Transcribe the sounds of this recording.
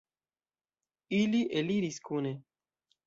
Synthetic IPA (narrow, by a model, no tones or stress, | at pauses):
iliʔeliɾiskʰuːne